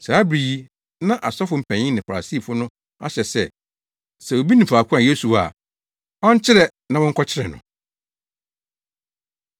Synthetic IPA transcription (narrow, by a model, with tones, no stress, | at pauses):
saː˨˦bɾiː˨˦ | nã˦ʔa˨sɔ˦fʊ˨m̩˨pʰæ̃˨ɲɪ̃˦nɪ̃˨fa˨ɾa̰˨si˦˨fʊ˦nʊ̃˦ | a̰˦ɕɛ˨sɛ˦˨ | sɛ˨o˨bi˦nĩ˨faː˨kʷʰã˨je˦su˨a̰˨ | ɔ̃˦ɲ˦t͡ɕʰɪ˦ɾɛ˨ | nã˨wɔ˦ŋ̩˦kʰɔ˦t͡ɕʰɪ˦ɾɛ˨nʊ̰̃˨